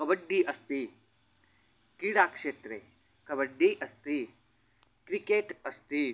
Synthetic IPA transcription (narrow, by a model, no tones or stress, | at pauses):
kɐbɐɖːiʔɐst̪i | kɾiɽaːkʂeːt̪ɾe | kɐβɐɖːiʔɐst̪i | kɾikeːʈɐst̪i